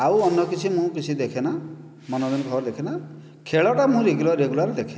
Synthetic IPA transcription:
awɔnːɔkit͡ʃʰimũkit͡ʃʰid̪ekʰena | mɔnɔd̪inkɔbɔɾd̪ekʰena | kʰeɭɔʈamũɾeɡulaɾːeɡulaɾd̪ekʰe

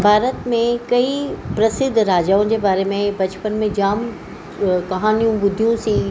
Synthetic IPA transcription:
bʱaːɾət̪mẽkɐipɾɐsɪd̪ʱɾaːd͡ʑaːʊ̃d͡ʑeːbaːɾemẽbɐt͡ɕpənmẽd͡ʑaːm | kɐɦaːnijũbʊd̪ʱijũsiː

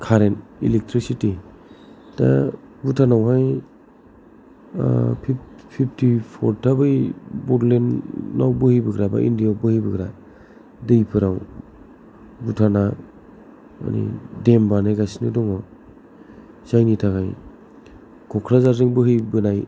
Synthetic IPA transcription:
kʰaɾenḭlek̚tʰɾisiti | da̰ | butʰanawɦaj | pʰipʰip̚ʰtʰipʰɔɾtʰabɯjbɔɾlenːawbɯhɯjbɯɡɾaba̰ʔḭndijawbɯhɯjbɯɡɾa | dɯjpʰɯɾaw | butʰana | a̰nḭdembanajɡasinɯdɔŋɔ | z̥ajnitʰakʰaj | kʰɔkʰɾazaɾzɯŋbɯɦɯjbɯnaj

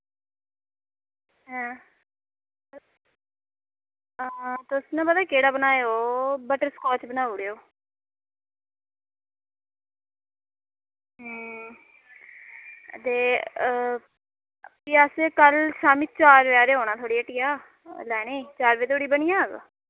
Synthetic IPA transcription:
ɦɛ̃ː | t̪osnãːpəd̪aːkeːɽaːbənaːeoːbəʈəɾskɔːt͡ʃbənaːuɽeːoː | ɦ | t̪eː | piːəsekəlsaːmit͡ʃaːɾʋeaːɾeːoːnaːt̪ʰoːɽiːəʈijaː | lɛːneːt͡ʃaːɾʋeːt̪ʰoːɽiːbənɪjãːɡ

